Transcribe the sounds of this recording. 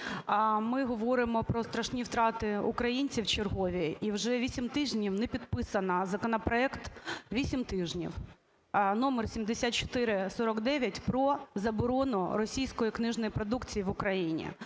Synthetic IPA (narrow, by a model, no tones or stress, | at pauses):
mɪɦɔʋɔɾɪmɔpɾɔst̪ɾɐʃnʲiwt̪ɾɑt̪ɪʊkɾɐjinʲt͡sʲiwt͡ʃerɦɔʋʲiiwʒɛʋʲisʲimt̪ɪʒnʲiwnɛpʲid̪pɪsɐnɐzɐkɔnɐpɾɔɛkt̪ʋʲisʲimt̪ɪʒnʲḭw | nɔmersʲimd̪esʲat̪t͡ʃɔ̥t̪ɪɾɪsɔɾɔɡd̪ɛʋʲjɐtʲpɾɔzɐbɔɾɔnʊɾɔsʲijsʲkɔjiknɪʒnɔjipɾɔd̪ukt͡sʲijiʋʊkɾɐjinʲḭ